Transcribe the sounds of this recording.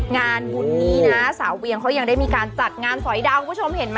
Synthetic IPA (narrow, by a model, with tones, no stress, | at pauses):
ŋaː˧nbu˧nːiː˥˩na˦˥saː˩˦wwi˧əŋkʰa˦˥wja˧ŋdaː˥˩jmiː˧kaː˧nt͡ɕa˨˩t̪̚ŋaː˧nsɔ˨˩˦jdaː˧wku˧˦˥o˧mhe˩˦nma˦